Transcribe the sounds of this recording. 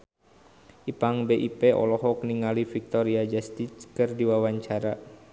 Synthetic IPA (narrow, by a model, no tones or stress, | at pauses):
ʔipaŋbeʔipeʔɔ̰lɔɦɔk̚niŋalifik̚t̪ɔɾiad͡ʒast̪it͡ʃkɨrdiwawaɲt͡ʃaɾa